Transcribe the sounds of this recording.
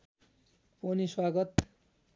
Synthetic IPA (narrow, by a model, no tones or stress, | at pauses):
poniswaɡʌt̪